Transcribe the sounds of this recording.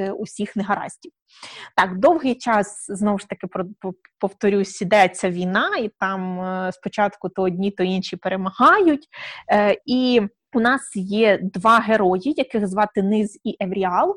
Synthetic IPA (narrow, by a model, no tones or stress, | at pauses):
usʲixneɦɐɾɑ̰sʲtʲiw | t̪ɑkd̪ɔwɦɪjt͡ʃɑsznɔwʊʃt̪ɐkɪpɔpɔwt̪ɔɾʲusʲid̪ɛt͡sʲːɐʋʲijnɑit̪ɑmspɔt͡ʃɑt̪kʊt̪ɔɔdʲnʲit̪ɔinʃʲipeɾemɐhɑjʊtʲ | i | ʊnɑsjɛd̪ʋɑɦeɾɔjijɐkɪɣzʋɑt̪ɪnɪziʔeʋɾʲiɑlˠ